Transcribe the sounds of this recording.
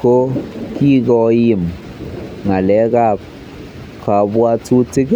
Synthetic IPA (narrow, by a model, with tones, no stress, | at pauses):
ko˦ki˦kɔ˨˦ji˦˨m | ŋa˨lɛ˨˦ka˦p̚ | kʰa˨bwa˧tu˦ti˦k